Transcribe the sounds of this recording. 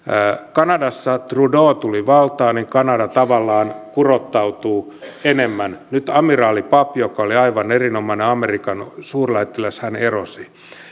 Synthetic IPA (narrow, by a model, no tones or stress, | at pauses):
kɑnɑdɑsːɑt̪rudoːt̪uliʋɑlt̪ɑːniŋkɑnɑdɑt̪ɑʋɑlːɑːnkurot̪ːɑut̪uː | enemːænnyt̪ɑmirɑːlipɑpjokɑoliɑiʋɑnerinomɑineɑmerikɑnsuːrlæit̪ːilæshænerosi